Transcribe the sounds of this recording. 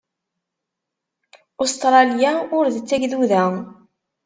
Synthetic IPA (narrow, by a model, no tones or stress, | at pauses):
ost̪ɾˤɑljaʊɾðət͡sːæʝðuðæ